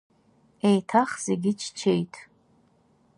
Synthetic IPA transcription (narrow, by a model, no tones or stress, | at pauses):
ejtʰaχz̥eɡʲɪt͡ʃʰt͡ʃʰe̞jtʰʼ